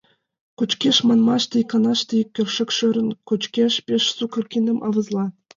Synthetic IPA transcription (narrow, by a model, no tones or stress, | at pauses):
kut͡ɕkʲeʃmɑnmɑʃt̪ikɑnɑʃt̪ikʲːø̆fʃɘ̆kʃø̆ɾʲɘ̆nkut͡ɕkʲeʃpʲeʃsukɤ̆rkʲinʲɤ̆mʔɑʋɤ̆zlˠɑ